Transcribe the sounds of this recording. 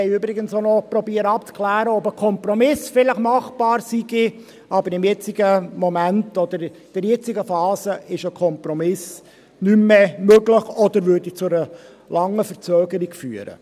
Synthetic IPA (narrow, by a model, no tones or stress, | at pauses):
ɛɪybɾɪɡənsonɔpɾɔbiːəɾəɑp̚t͡skʰlæːɾəɔbəkʰɔmpɾɔmɪsfɪləχmɑχb̥ɑːɾsiɡ̥i | ʔɑbəɾɪmjɛt͡siɡəmɔmæntɔd̪əɾ | d̥ɛɾjɛt͡sɪɡəfɑːsəɪʃəkʰɔmpɾɔmɪs | nymːemøɡləχɔd̪əɾʋʏdit͡sʊə | lɑŋːəfəɾt͡søːɡəɾikfyːəɾə̰